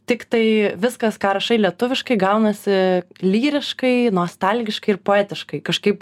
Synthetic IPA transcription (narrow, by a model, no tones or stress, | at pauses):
t̪ʲɪkt̪ɐɪʋʲɪskɐskɑːɾɐʃɐɪlʲiɛt̪ʊʋʲɪʃkɐɪɡɐʊnɐsʲɪlʲiːɾʲɪʃkɐɪnoːst̪ɐlʲɡʲɪʃkɐɪɪɾpoːæːt̪ʲɪʃkɐɪkɐʃkɐɪp